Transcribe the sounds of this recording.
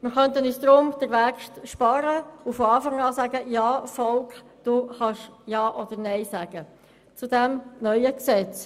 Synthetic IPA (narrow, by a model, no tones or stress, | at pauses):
mɪɾχœntənyːsd̪̥ɾʊmd̥̪əɾʋæːkʃtʃpɑɾəufɔɑːfɑŋɑːsæɡəjɑːfɔlk | d̪̥uχɑʃjɑːʔɔd̪əɾnɛɪsæɡ̥ə | t͡sud̪ɛmnœʏəksɛt͡s